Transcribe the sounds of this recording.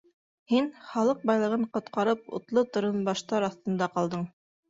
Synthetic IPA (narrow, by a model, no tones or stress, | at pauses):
hinχɑlˠɤq̚bɑjlˠɤ̆ʁɤɴqŏt̪qɑɾɤp̚ṵt̪lˠɤt̪ŏɾɤnbɑʃt̪ɑɾɑθt̪ɤ̆nd̪ɑqɑlˠd̪ɤɴ